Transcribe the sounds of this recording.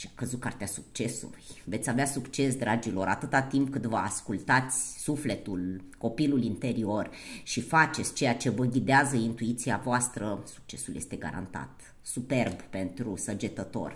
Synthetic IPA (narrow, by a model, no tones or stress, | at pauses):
ʃiakəzut̪̚kart̪easuk̚t͡ʃe̞sṵlujve̞t̪sʲaveasukt͡ʃe̞s̬d̪ɾad͡ʒilo̞ɾʔa̰t̪ɨt̪at̪imp̚kɨnt̪vəa̰skult̪at̪sʲsufle̞t̪ulko̞pilulint̪e̞ɾio̞rʃifat͡ʃe̞t̪sʲt͡ʃe̞jat͡ʃe̞vəŋɡʲid̪eazəint̪uit̪siavoast̪ɾəsu̥k̚t͡ʃe̞suljest̪e̞ɡa̰ɾa̰nt̪a̰t̪ | supe̞rbpe̞nt̪ɾusəd͡ʒe̞t̪ət̪o̞̰r